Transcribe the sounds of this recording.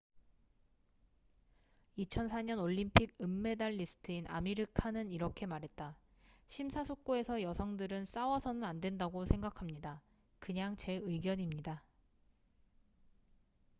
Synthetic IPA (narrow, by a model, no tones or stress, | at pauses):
it͡ɕʰʌnsʰaɲʌnoʎːimpʰiɡ̚ɯmːe̞daɭːisʰɯ̥tʰɯinʔa̰miɾɯkʰanɯniɾʌkʰe̞maɾɦe̞t̚t͈a | ɕʰimsʰasʰok̚k͈oe̞sʰʌjʌsʰʌŋdɯɾɯns͈awʌsʰʌnɯnandwe̞ndaɡosʰe̞ŋɡakʰamɲida | kɯɲaŋt͡ɕe̞ɯiɡjʌɲimɲida